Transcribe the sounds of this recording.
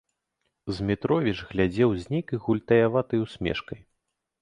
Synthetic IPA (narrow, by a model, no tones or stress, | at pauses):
zʲmʲit̪ɾɔvʲit͡ʂɣlʲad͡zʲɛwzʲnʲɛjkɨɣulʲt̪ɐjavat̪ɨjwsʲmʲɛ̰ʂkɐj